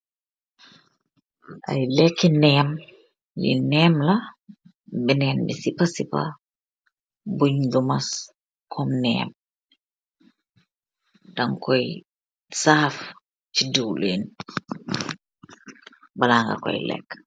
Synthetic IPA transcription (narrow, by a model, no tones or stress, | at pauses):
ʔa̰jlɛkːɛnɛm | jḭnɛːmla | bɛnɛmbɛsipasipa̰ | buɲdumas | kʰɔmnɛ̰ːm | daŋkɔj | saːf | t͡ʃiduwlen | balaŋɡa̰kɔ̰jlɛ̰kː